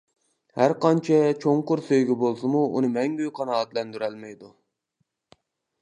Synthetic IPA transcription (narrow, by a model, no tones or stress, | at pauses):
hæɾqɑnt͡ʃʰɛt͡ʃʰoŋqʊɾsøjɡʲɛbolˠsɨmuṵnɨmɛŋɡʲøjqʰɑnɑːɑt̪lɛnd̪yɾɛlmɛjd̪u